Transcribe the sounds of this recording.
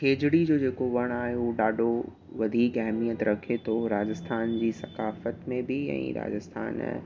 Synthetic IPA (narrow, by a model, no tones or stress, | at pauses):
keːd͡ʑɪɽid͡ʑoːd͡ʑeːkoʋɐɽ̃aːɦeuɗaːɖʱo | ʋɐd̪ʱiːkɛɦmijət̪ɾɐkʰet̪ʰoɾaːd͡ʑəst̪ʰaːnd͡ʑiːsɐkaːfət̪mẽbɪɛ̰̃ːɾa̰ːd͡ʑəst̪ʰa̰ːn